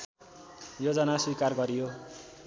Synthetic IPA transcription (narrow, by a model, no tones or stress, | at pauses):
jod͡zʌnaswikarɡʌɾijo